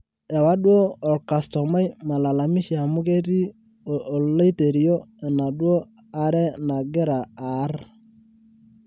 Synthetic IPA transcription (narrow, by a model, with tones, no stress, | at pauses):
ɛ˨wa˦ɗwoː˦˨lka˨stɔ˨ma˦jma˨la˨la˨mɪ˦ʃi˨a˨mʊ˦ke˦ti˦ | o˨ʔːlo˦i˦te˨ɾi˨jo˦ɛ˨na˨ɗwo˦ | a˦ɾɛ˦na˨ɡɪ˦ɾa˨a˨˦r